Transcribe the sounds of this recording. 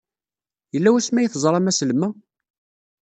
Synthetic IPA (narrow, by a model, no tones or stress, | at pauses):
jəlːæwæsmæjiθzˤɾˤɑmæslmːæ